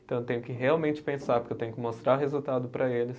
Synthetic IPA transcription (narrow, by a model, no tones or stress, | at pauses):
ẽt̪ɐ̃w̃ewt̪ẽɲjʊkɪɦeawmẽnt͡ʃɪ̥pẽsaɾpoɾkewt̪ẽɲʊkɪmost̪ɾaɾɦezut̪ad̪ʊpɾɐelɪs